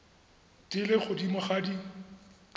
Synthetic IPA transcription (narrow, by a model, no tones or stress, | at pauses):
tʼɪlɪχʊdimaχadi